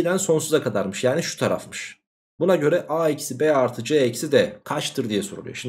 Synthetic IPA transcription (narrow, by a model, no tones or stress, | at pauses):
id̪ænso̞nsuzakʰad̪aɾmɯʃjaːniʃu̥t̪ʰaɾa̰fmɯʃ | bunaɟøɾɛʔaːicʰi̥sibɛaɾt̪ʰɯd͡ʒeɛcsid̪ɛkʰat͡ʃt̪ʰɯɾd̪ijɛsoɾṵlˠujo̰ʃim